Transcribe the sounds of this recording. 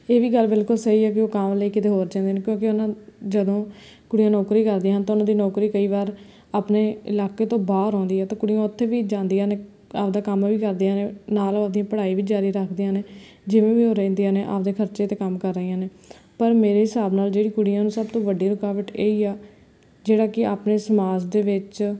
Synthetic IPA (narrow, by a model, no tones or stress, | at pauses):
eːʋiːɡəlbɪlkʊlsəɦiːɛːk̬ɪoːkamləiːkɪt̪eːɦoːɾd͡ʒãːnd̪eːneːkjõːkɪʊnãːd͡ʒəd̪õː | kʊɽɪjãːnɔːkɾiːkəɾd̪iːaːɦənt̪aːʊnãːd̪iːnɔːkɾiːkəiːʋaːɾ | aːpneːɪ̰laːkeːt̪õːbaːɾɔ̃ːnd̪iːɦɛːt̪ãːkʊɽɪjãːʊt̪ʰːeːʋiːd͡ʒãːnd̪ijãːneː | aːpd̪aːkəmʋiːkəɾd̪iːãːneːnaːlːd̪ijãːpəɽaːiːʋiːd͡ʒaːɾiːɾəkʰd̪iːãːneː | d͡ʒɪʋẽːʋiːoːɾɛ̃ːnd̪ijãːneːʔa̰ːpd̪eːkʰəɾt͡ʃeːt̪eːkəmkəɾːəijãːneː | pəɾmeːɾeːɦɪsaːbnaːld͡ʒeːɽiːkʊɽijãːnũːsəbt̪õːʋəɖiːɾʊkaːʋəʈeːiːaː | d͡ʒeːɽaːkɪaːpneːsəmaːd͡ʒd̪eːʋɪt͡ʃ